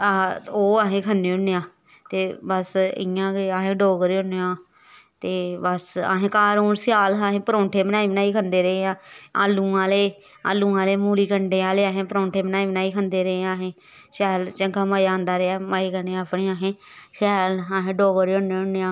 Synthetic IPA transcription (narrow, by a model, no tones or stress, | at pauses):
aoːaːɦẽːkʰənːeːʊnːejãː | t̪eːbəsɪ̰jãːɡeaːɦẽːɖoːɡəɾiːʊnejãː | t̪eːbəsa̰ːɦẽːkaːɾuːnsɪjaːlaːɦẽːpəɾõːɳʈʰeːbənaːiːbənaːiːkʰənd̪eːɾəeãːa̰ːlːũːãːleː | a̰ːlːũːãːleːmuːliːkəɳɖeːaːleːaːɦẽːpəɾõːɳʈʰeːbənaːiːbnaːiːkʰənd̪eːɾəeːãːɦẽː | ʃɛːlt͡ʃəŋkaːmaːjaːənd̪aːɾeaːmaːiːkəneːapʰniːaːɦẽːʃɛːlaːɦẽːɖoːɡəɾeːonːeʊnejãː